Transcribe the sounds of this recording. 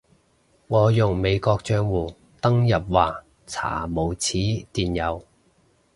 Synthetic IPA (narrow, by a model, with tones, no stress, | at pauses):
ŋɔː˨˧jʊ˨˩ŋme˨˧jkɔː˧k̚t͡ʃœː˧ŋwuː˨˩ | t̪ɐ˥ŋjɐ˨p̚waː˨˩ | t͡sʰa̰ː˨˩mo˨˧wt͡sʰiː˨˥t̪iː˨˩njɐ˨˧w